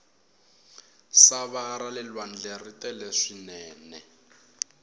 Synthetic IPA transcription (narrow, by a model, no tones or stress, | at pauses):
saβaːɾalɛlwan̩d͡ɮɛritʼɛlɛʂinɛːnɛ